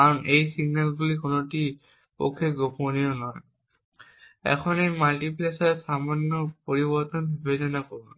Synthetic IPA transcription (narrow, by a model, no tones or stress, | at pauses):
aɹɔnʔejsiɡnɛlbulikɔnɔti | po̰kʰːeɡopɔniɔnɔj | ɛ̰kʰɔnejmaltiplesaɹsamanjɔpoɹibɔɹt̪ɔnbubezɔnakɔbɔ